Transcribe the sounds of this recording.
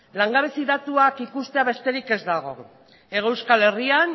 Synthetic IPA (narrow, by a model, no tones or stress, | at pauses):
laŋɡaβesiðat̪uakikust̪e̞aβe̞st̪e̞ɾike̞zd̪aɣ̞o̞̰ | e̞ɣewskale̞rian